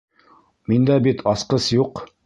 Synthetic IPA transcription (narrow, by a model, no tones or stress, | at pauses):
mind̪æbit̪ʰɑsqɤsjuq